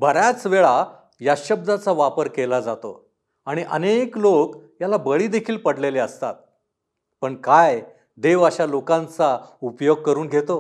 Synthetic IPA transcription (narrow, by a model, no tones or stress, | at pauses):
bʱəɾjat͡sʋeɭa | jaɕəb̚d̪ʱat͡saʋapəɾkelad͡zat̪o̰ | aɽ̃iʔə̰neklokjalabəɭiːd̪ekʰiːlpəɽleleəst̪a̰t̪̚ | pəɳkaj | d̪eʋaɕalokãnt͡saupjoɡ̚kəɾuːnɡʱet̪o